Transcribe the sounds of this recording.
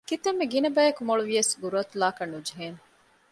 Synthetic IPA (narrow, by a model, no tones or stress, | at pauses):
kit̪ɐmːeɡinɐbæːjɐkumoɭuʋijɐsɡuɾuɐt̪ulaːkɐnːud͡ʒeɦeːn